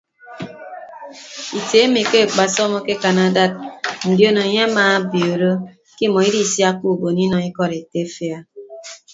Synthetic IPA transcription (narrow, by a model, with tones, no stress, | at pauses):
i˨te˨˦mi˨ke˦˨k͡pa˨sɔ˦mɔ˦ke˦ka˨na˦da˦t̚n̩˨djo˦no˨e˨ɲe˦maː˨˦bjo˨ɾo˦ | ki˦˨mɔ˨i˦di˦˨sja˦ku˦˨bo˨ni˦nɔ˨ŋi˦kɔ˦ɾe˨te˦fi˦a˦